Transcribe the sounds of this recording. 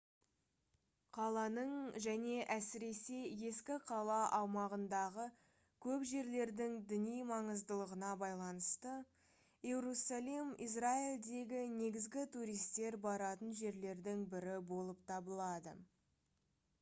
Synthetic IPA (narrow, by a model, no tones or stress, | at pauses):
qʰɑlˠɑnəɴʒæne̞ʔæsɪɾe̞se̞je̞skʲɪqʰɑlˠɑʔɑwmɑʁənd̪ɑʁə | kʲʰɵpʒe̞ɾle̞ɾd̪ɪŋd̪ɪnijmɑɴəzd̪əlˠəʁənɑbɑjlˠɑnəst̪ə | jeɾusalˠimḭsraild̪e̞ɡʲɪne̞ɡʲɪzɡʲɪt̪ʰuɾijst̪e̞ɾbɑɾɑt̪ənʒe̞ɾle̞ɾd̪ɪŋbɪɾɪbo̞lˠəpt̪ʰɑbəlˠɑd̪ə̰